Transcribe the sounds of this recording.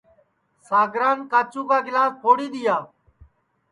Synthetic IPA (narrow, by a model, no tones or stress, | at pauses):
saːɡɾaːnkaːt͡ʃũːkaːɡɪlaːspʰoːɽiːɗ̪ɪjaː